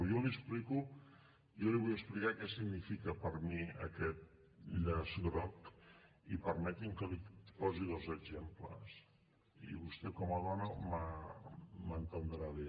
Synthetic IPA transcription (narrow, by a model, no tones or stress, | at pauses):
jɔliəspliku | jɔliβujəsplikakɛsiɡnifikəpəɾmiə̰kɛt̪̚ | ʎʎəzɣɾɔk | ipəɾmɛt̪iŋkəlipɔziðozəɡzemplə̰s | ḭβust̪ɛkɔməðɔnəmə | mənt̪ənd̪ɾaβe